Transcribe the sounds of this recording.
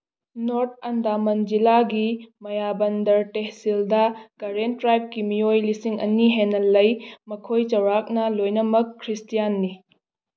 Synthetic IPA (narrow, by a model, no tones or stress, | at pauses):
noɾt̚ʰɐndamɐnd͡ʒilaɡimɐjabɐndɐɾtehsildɐkɐɾentːɾajp̚kimijojlisiŋɐ̰niɦenːɐlɐjmɐkʰojt͡ʃɐwɾak̚nɐlojnɐmɐkʰːɾistijanːi